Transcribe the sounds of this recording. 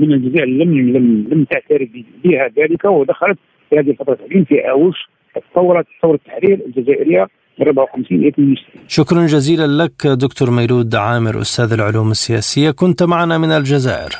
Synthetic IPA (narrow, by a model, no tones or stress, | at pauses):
mənəld͡ʒæzæʔləmlələmt̪aʕt̪æɾəbbihæd̪æləkawd̪æxælət̪̚ | fihæd̪ihəlfɑt̪ˤɾˤɑt̪ːaʕlimfiʔæwuʃ | ʔət̪ːɑt̪ˤːɑwːɾˤɑt̪ːtˤɑwɾət̪ːaħɾiɾəlʒæzæʔəɾəjːa | bəˤʊbʕawxəmsinʔjæt̪ːiʃinʃʊkɾˤɑnʒæzilanləkd̪ʊkt̪uɾˤmæjlud̪ʕaməɾʔʊ̰st̪æd̪əlʕʊluːməsːəjæsəjːakʊnt̪maʕanamənəlʒæzæ̰ʔə̰ɾ